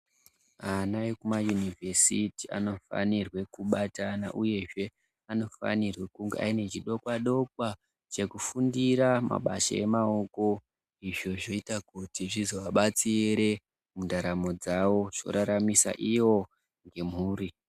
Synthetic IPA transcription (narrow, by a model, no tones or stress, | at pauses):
anajekumajunivʱesitia̰no̞fa̰nirwe̞kuɓatana̰ʔuje̞ʐe̞ | ano̞fa̰nirwe̞kuŋɡea̰ine̞t͡ʃiɗo̞kwaɗo̞kwa | t͡ʃe̞kufundiɾama̰ɓa̰ʃa̰e̞̰mao̞ko̞ | iʐo̞ʐo̞itakutiʐizo̞ʋaɓat͡siɾe̞ | mundaɾamo̞d͡zawo̞ʐ̥o̞̰ɾaɾamisa̰ʔiwo̞ | ŋɡe̞m̤uːri